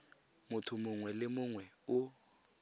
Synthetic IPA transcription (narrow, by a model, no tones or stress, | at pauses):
mʊtʰʊmʊŋwɛlɪmʊŋwɛʊ